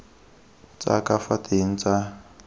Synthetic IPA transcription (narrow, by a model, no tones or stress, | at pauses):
t͡sʼa̰kʼafatiŋ̩t͡sa